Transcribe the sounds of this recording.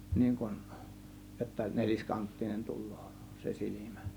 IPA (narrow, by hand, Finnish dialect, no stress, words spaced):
niːŋ kun jotːɑ nelʲiskɑntːinen tulˑo̥ː se silʲimæ̥